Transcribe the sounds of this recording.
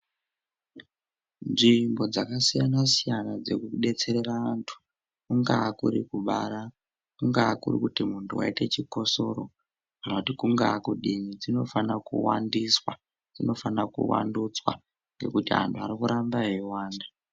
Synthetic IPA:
nʐimbo̞d͡zakasijanasijanad͡zekuɗe̞t͡se̞ɾe̞raantʰu̥ | kuŋɡakuɾikuɓaɾa | kuŋɡakurḭkutimuntʰuwa̰ite̞t͡ʃiko̞so̞ɾo | kanotikuŋɡaːkuɗimid͡zino̞fanakṵwandiswa̰ | d͡zino̞fanakṵwa̰ndut͡swa̰ | ŋɡe̞̰kutiɦa̰ntʰuaɾikuɾambaɦiwaːnda

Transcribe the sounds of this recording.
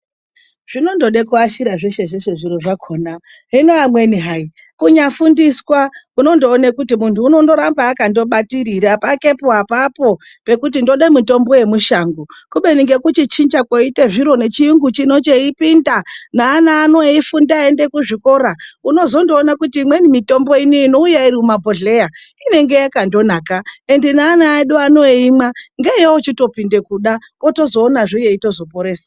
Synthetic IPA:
ʐ̥ino̞ndo̞ɗekuaʃiɾaʐeʃe̞ʐeʃeʐiɾoʐakʰoːna | ɦino̞amwe̞niɦai | kuɲafundiswakuno̞ndoːnekutimuntʰuːno̞ndo̞ɾambaːkando̞ɓatiɾiɾapake̞poɦapapo̞ | pe̞kutindo̞ɗemuto̞mbo̞je̞muʃaŋɡukuɓe̞niŋɡe̞kut͡ʃit͡ʃind͡ʒakoiteʐiɾo̞ne̞t͡ʃijuŋɡut͡ʃino̞t͡ʃeipindanaːnaːno̞ifundaende̞kuʐiko̞ɾauno̞zo̞ndo̞ːnakutiːmwenimito̞mbo̞iniːno̞ujairiumabʱoɮe̞ja | ine̞ŋɡe̞jakando̞naːkaendinaːnaːɗuano̞imaŋɡejeot͡ʃito̞pinde̞kuɗapoto̞zo̞ːnaʐijeito̞zo̞po̞ɾeːsḁ

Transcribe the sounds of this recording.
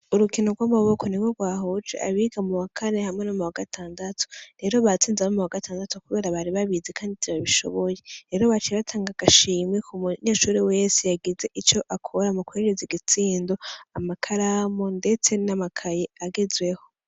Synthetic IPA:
uɾukino̞ɾɡwamaβo̞ko̞niɡoɾɡwaːɦot͡ʃḛʔaβiɡamuwakʰanehamŋe̞nomuwaɡatʰaːndatʰu̥ɾe̞ɾoβat͡siːnzaβomuwaɡatʰaːndatukuβe̞ːɾaβaɾiβaβizekʰaːndiziβaβiʃo̞̰βo̞je̞ɾe̞ɾoβat͡ʃeβatʰaːŋɡaɡ̥aʃiːmekʰumuɲeːʃuːɾiwesejaɡize̞ʔit͡ʃo̞ʔakʰoɾamukueɾeziɡit͡siːndo̞amakʰaɾamonde̞t͡se̞namakʰajeaɡezwe̞ho̞

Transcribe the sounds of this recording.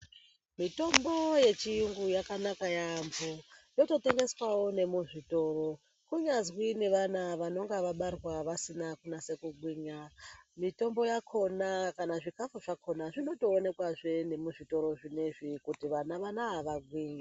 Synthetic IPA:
mito̞mbo̞je̞t͡ʃijuŋɡujakanakajambojo̞to̞te̞ŋɡe̞swawone̞muʐito̞ro̞ | kuɲazwine̞ʋanaʋano̞ŋɡaʋaɓarwaʋasinakunase̞kuɡwiːɲamito̞mbo̞jakʰo̞nakanaʐikafuʐakʰo̞naʐino̞to̞ːne̞kwaʐe̞ne̞muʐito̞ɾo̞ʐine̞ʐikutiʋanaʋanaɦaʋaɡwiːɲa

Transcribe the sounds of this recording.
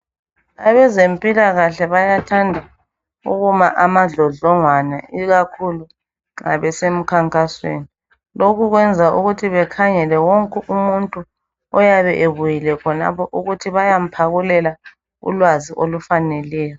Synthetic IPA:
aβɛzempʼilaɣaɬɛβajatʰandʱa | ṵɣuma̰ʔamaɮɔɮɔŋwana̰iɣakʰulu | ŋa̰βɛsem̩kʰaŋkʼaswḛni | lokʰuɣwɛnd͡zʱaʔuɣutʰiβɛkʰaŋɛlɛwoŋkʼuʔumuntʼu | ɔjaβɛʔeβujilɛkʰɔna̰pʰɔʔuɣutʰiβajam̩pʰaɣulɛla | ṵlwaziʔolufanɛlɛːjɔ

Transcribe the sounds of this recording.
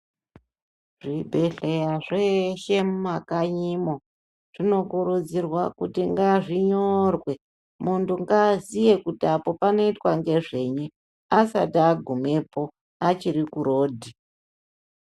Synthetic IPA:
ʐibʱe̞ɬejaʐeʃemumakaɲimo | ʐ̥ino̞kuɾud͡zirwakutiŋɡaʐiɲorwe̞ | muntuŋɡazije̞kutiapo̞pano̞itwaŋɡe̞ʐe̞ɲu | asataːɡʱume̞po̞ | at͡ʃiɾikuɾo̞ːdʱi

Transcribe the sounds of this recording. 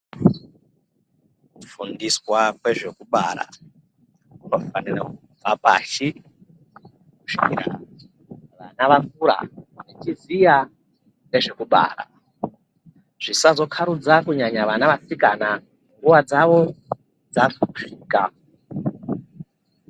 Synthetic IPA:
fundiswakwe̞ʐe̞kuɓa̰ɾa̰ | ofaniraku | vapa̰ːʃi | kuʃiiɾa̰ | ʋa̰naʋakuɾa̰net͡ʃizija | ne̞ʐe̞kuɓa̰ːɾa̰ | ʐ̥isazo̞kʰaɾud͡zakuɲaɲaʋanaʋasikana | ŋɡuʋad͡zaʋo̞ | d͡zafuʃiːka

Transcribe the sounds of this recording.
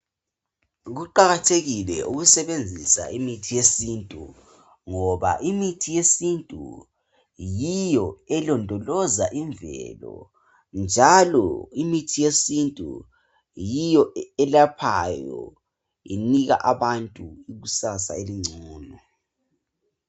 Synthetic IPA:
ɣuǃaɣatʰeɣilɛʔuɣusɛβend͡zʱisa̰imitʰijesiːntʼu | ŋɔβa̰ʔimitʰijesintʼṵ | jijɔɛlɔndʱɔlɔzaʔiɱvɛ̰lɔ̰ | nd͡ʒʱalɔ̰imitʰijesintʼṵ | jijɔɛlapʰajɔ̰ | ḭniɣa̰ʔaβantʼuiɣusasa̰eliŋ͡ǀʱɔːnɔ

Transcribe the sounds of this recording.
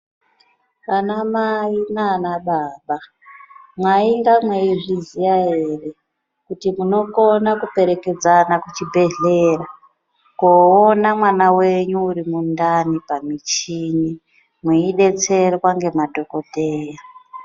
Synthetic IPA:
kanamainanaɓaːɓa | mwaiŋɡamweiʐizijaɦe̞ːre̞ | kutimuno̞konakupe̞ɾe̞ke̞d͡zanakut͡ʃibʱe̞ɮe̞ːra | koːnamwanawe̞ɲuuɾimundanipamit͡ʃini | mwiiɗe̞t͡se̞rwaŋɡe̞madʱo̞ko̞te̞ːja

